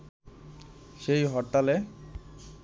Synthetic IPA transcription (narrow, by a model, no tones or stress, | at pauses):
ʃejɦɔʈːale